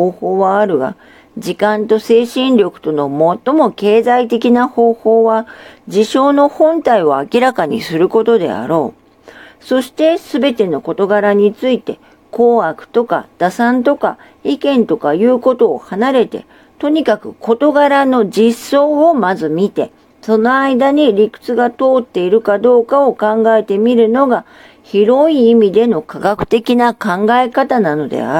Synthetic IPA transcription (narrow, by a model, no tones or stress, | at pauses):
oːho̞ːβaːɾɯ̟ɡa̰ | d͡ʑikãnt̪o̞se̞ːɕĩnɾʲo̞kɯ̟̥t̪o̞no̞mo̞t̪ːo̞mo̞ke̞ːzait̪e̞kʲinaho̞ːho̞ːβad͡ʑiɕo̞ːno̞hõ̞nt̪aioakʲiɾakaɲ̟ḭsɨɾɯ̟ko̞t̪o̞d̪e̞̰a̰ɾo̞ː | so̞ɕi̥t̪e̞sɨbe̞t̪e̞no̞ko̞t̪o̞ɡaɾaɲ̟it͡sɨit̪e̞ | koːakɯ̟̥t̪o̞ka̰d̪̥asãnt̪o̞ka | ikẽ̞nt̪o̞kajɯ̟ːko̞t̪o̞̰ːhanaɾe̞t̪e̞̰ | t̪o̞ɲ̟ikakɯ̟kʰo̞t̪o̞ɡaɾano̞d͡ʑisːo̞ːomazɨmʲit̪e̞ | so̞no̞aid̪aɲ̟iɾʲikɯ̟̥t͡sɨɡat̪o̞ːt̪ːe̞iɾɯ̟kad̪o̞ːkao̞kãŋɡae̞t̪e̞mʲiɾɯ̟no̞ɡa | çiɾo̞iːmʲid̪e̞no̞kaɡakɯ̟̥t̪e̞kʲinakãŋɡaekat̪anano̞d̪ḛa̰